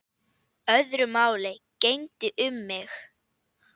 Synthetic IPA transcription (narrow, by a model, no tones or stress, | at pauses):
œðɾʏmaːwlɪcejnt̪ɪʔʏmːɪx